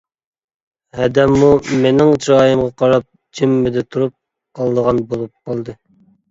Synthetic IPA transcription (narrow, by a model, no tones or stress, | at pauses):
hɛd̪ɛmːumenɪŋt͡ʃɾɑːjɨmʁɑqʰɑɾɑp̚ | d͡ʒɪmːɪd̪ɛt̪ʰuɾup̚ | qʰɑlˠd̪əʁɑnbolˠup̚qʰɑlˠd̪ɨ